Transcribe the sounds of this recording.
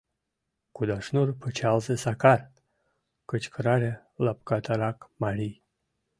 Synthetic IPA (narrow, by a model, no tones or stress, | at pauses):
kud̪aʂnurpʰət͡ʃalzəsakar | kət͡ʃkəɾaɾʲa | lap̚kat̪ʰaɾakmaɾʲij